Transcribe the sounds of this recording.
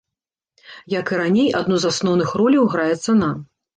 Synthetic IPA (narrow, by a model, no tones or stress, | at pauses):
jakɨɾanʲejad̪nuzasnɔwnɨxrɔlʲiwɣɾajɛt̪sːɐna